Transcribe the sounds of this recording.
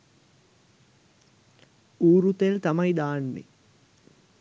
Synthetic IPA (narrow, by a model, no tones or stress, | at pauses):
uːɾut̪elt̪ɐmɐjd̪aːnːḛ